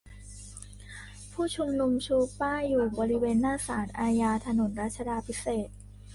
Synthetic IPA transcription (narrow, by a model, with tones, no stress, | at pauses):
pʰuː˥˩t͡ɕʰu˧mnu˧mt͡ɕʰuː˧˥paː˥˩jːuː˨˩bɔː˧ɾi˦weː˧nːaː˥˩saː˩˦nʔaː˧jaː˧t̪ʰa˧no˩˦nɾa˦˥t̪̚t͡ɕʰa˧daː˧pʰi˦˥seː˨˩t̪̚